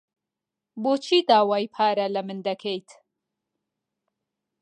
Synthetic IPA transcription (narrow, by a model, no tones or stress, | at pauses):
boːt͡ʃʰiːd̪aːwaːjpʰaːɾɐlɐmɨnd̪ɐkʰejt̪